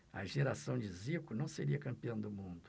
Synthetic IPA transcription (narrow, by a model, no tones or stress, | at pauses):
ɐ̰ʒeɾasɐ̃w̃d͡ʒɪzikʊnɐ̃w̃seɾiɐkɐ̃mpiɐ̃w̃d̪ʊmũnd̪ʊ